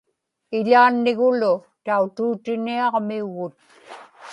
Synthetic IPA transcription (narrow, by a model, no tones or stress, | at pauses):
ɪʎaːnːɪɣʊlʊ | t̪aut̪uːt̪ɪniɑʁmiuɣʊt̪̚